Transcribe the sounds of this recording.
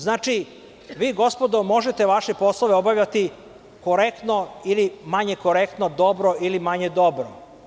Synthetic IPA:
znaːt͡ʃi | ʋiːɡo̞spo̞d̪omo̞ʒet̪e̞ʋaʃepo̞slˠoʋeobaʋʎat̪i | ko̞ɾekt̪noilimaɲe̞ko̞ɾekt̪nod̪o̞bɾoilimaɲed̪o̞bɾo

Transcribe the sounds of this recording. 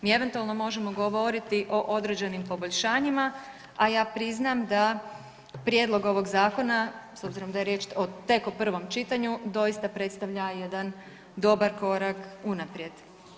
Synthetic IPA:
miːe̞ʋe̞nt̪ualˠno̞mo̞ʒe̞mo̞ɡo̞ʋo̞ɾit̪iʔo̞ʔo̞d̪ɾeːd͡ʒenimpo̞bo̞ʎʲʃaːɲima | ajaːpɾiznamd̪a | pɾje̞d̪lˠo̞ɡo̞ʋo̞ɡzaːko̞naso̞bziɾo̞md̪ajeɾje̞ːt͡ʃot̪e̞kopr̩ʋo̞mt͡ʃit̪aɲud̪o̞jist̪apɾe̞t̪st̪aʋʎaje̞d̪an | d̪o̞baɾko̞ɾakunapɾje̞d̪̥

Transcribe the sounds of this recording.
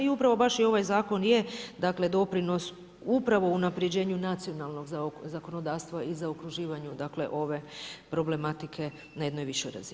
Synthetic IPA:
iupɾaʋo̞baʃio̞ʋajzaːko̞njed̪akle̞d̪o̞pɾino̞s | upɾaʋo̞unapɾed͡ʑe̞ːɲunat̪sio̞nalˠno̞ɡzzako̞no̞d̪aːst̪ʋaizaokɾuʒiːʋaɲud̪akle̞̰ʔo̞ʋe̞pɾo̞ble̞mat̪ikʰe̞ | naje̞d̪no̞jʋiʃojɾa̰zi

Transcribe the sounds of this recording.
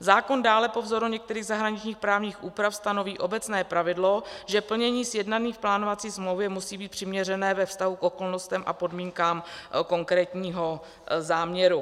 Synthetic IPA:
zaːkondaːlɛpo̞vzo̞ɾuɲɛk̚t̪ɛɾiːɣzaɦɾaɲɪt͡ʃɲiːxpɾaːvɲiːxʔuːpɾafst̪ano̞viːʔo̞bɛt͡snɛːpɾavɪdlo̞ʒɛpl̩ɲɛɲiːsjɛdnaniːfplaːnovat͡siːsmlowvjɛmusiːbiːt̪̚pr̝̥ɪmɲɛr̝ɛnɛːvɛfst̪aɦukʔo̞ko̞lnost̪ɛmʔa̰po̞dmiːŋkaːmko̞ŋkɾɛːt̪ɲiːɦo̞ | zaːmɲɛɾu

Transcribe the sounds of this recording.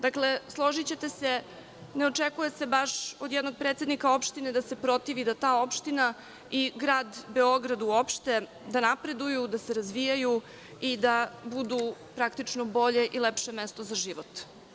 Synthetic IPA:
d̪akle̞slˠo̞ʒit͡ɕe̞t̪e̞se | neot͡ʃekuje̞se̞baʃo̞d̪jɛd̪no̞ɡ̚pɾe̞t̪se̞d̪nikao̞pʃt̪ined̪ase̞pɾo̞t̪iʋid̪at̪aːo̞pʃt̪ina | iɡɾaːd̪be̞o̞ɡɾad̪uopʃt̪e̞ | d̪anapɾe̞d̪ujud̪aseɾazʋijaju | id̪abud̪upɾakt̪it͡ʂnobo̞ʎe̞ʔilepʃe̞mest̪o̞zaʒiʋot̪

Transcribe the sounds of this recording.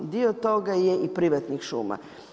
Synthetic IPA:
d̪iot̪o̞ɡajeʔipɾiʋat̪nixʃuːma̰

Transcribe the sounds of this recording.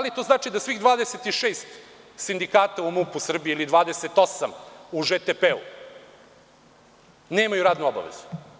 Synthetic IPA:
alit̪o̞ːznaːt͡ʃid̪asʋiɣd̪ʋaːd̪eset̪iʃeːst̪ | sind̪ikaːt̪aumupusr̩bieilid̪ʋaːd̪eset̪o̞samuʐet̪epeṵ | neːmajuɾaːd̪nuoba̰ʋḛzu̥

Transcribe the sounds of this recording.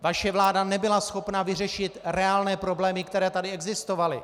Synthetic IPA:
vaʃɛvlaːdanɛbɪlasxo̞pnavɪrɛʃɪt̪ɾɛaːlnɛːpɾo̞blɛːmɪkt̪ɛɾɛːt̪adɪɛɡzɪst̪o̞valɪ

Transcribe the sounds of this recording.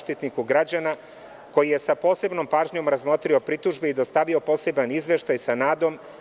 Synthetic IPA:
ʃt̪it̪nikuɡɾad͡ʑana | ko̞jije̞sapo̞ːse̞bno̞mpaːʒɲo̞mɾazmo̞t̪ɾio̞pɾit̪uʒbeid̪o̞st̪aʋio̞po̞ːse̞banizʋe̞ʃt̪ajsanaːd̪o̞m

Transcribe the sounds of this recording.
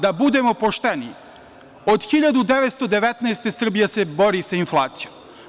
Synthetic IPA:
d̪abud̪e̞mo̞po̞ʃt̪eni | od̪xiʎad̪ud̪eʋet̪st̪o̞d̪e̞ʋet̪neːst̪e̞sr̩bijese̞bo̞ɾisainflˠaːt̪sijom

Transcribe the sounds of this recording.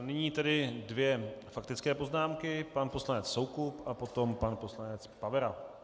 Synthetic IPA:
nɪɲiːt̪ɛdɪdvjɛfak̚t̪ɪt͡skɛːpo̞znaːmkɪpanpo̞slanɛt͡ssowkupʔapo̞t̪o̞mpanpo̞slanɛt͡spavɛɾa

